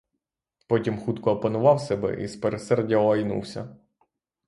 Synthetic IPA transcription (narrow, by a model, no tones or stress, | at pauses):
pɔtʲimxut̪kɔːpɐnʊʋɑwsɛbɛ̰ʔḭspeɾesɛrdʲːɐɐjnṵwsʲɐ̰